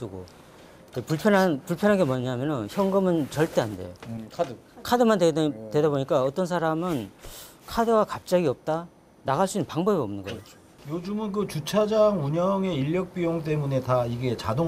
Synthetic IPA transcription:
sɯɡo̰ | d͡ʑepuɭpʰjʌnanpuɭpʰjʌnɦanɡe̞mʌɲaɦmjʌnʌnçjʌŋɡɯmɯnt͡ɕʌɭt͈e̞ɦande̞̰jokʰdɯ | kʰadɯmantwe̞daboɲik͈aʌt͈ʌns̬ʰaɾamɯn | kʰadɯɡakap̚t͡ɕ͈aɡiʌp̚t͈a | naɣaɭs͈uinːɯnpaŋbʌbiʌmnɯnɡʌ̰o | jod͡ʑumɯnkɯt͡ɕut͡ɕʰad͡ʑaŋuɲʌŋe̞iʎːjʌk̚p͈ijoŋt͈e̞mune̞taiɡe̞t͡ɕado

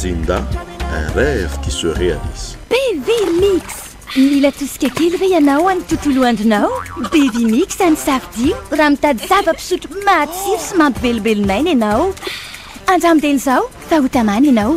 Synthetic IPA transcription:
zind̪a̰ɛ̰̃rɛvikisøɾea̰nizi̥b̥evimiks | milət̪usi̥kʲakelivejanawanit̪ut̪uluaɳɖ͡ʐinawbevimiksanisafid̪iuraːmit̪ad̪iz̥avəpi̥suʈ͡ʂumat͡siɾu̥simampivelbelunajnenaw | aɳɖ͡ʐamd̪enizaw | faut̪amanenaw

